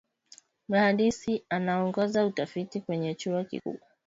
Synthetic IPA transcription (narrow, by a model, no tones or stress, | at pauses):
m̩ahaɗisianaɔŋɡɔzautafitikwɛɲɛt͡ʃuakḭkṵ